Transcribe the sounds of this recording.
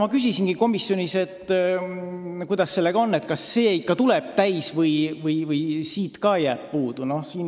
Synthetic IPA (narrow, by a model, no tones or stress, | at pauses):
mɑkysʲisinɡ̥iko̞misjo̞nise̞t̪ːˑ | kujd̪̥ɑsːe̞lːe̞ɡ̥ɑo̞nːet̪kɑsːe̞ːikːɑt̪uleb̥̚t̪æjsvɤjvɤjvɯjsiːt̪kɑjæːb̥̚puːd̪̥uno̞hsiːn